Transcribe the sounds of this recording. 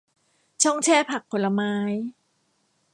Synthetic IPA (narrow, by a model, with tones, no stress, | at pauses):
t͡ɕʰɔ˥˩ŋt͡ɕʰɛː˥˩pʰa˨˩k̚ʰːo˩˦nlːa˧maː˦˥j